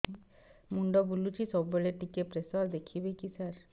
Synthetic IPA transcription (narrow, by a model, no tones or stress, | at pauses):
muɳɖɔbulut͡ʃʰisɔbːeleʈikepɾesɔɾd̪ekʰibekisəɾ